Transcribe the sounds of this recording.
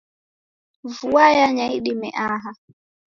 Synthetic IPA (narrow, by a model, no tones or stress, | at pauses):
vuajaɲaiɗimɛ̰ʔaɦa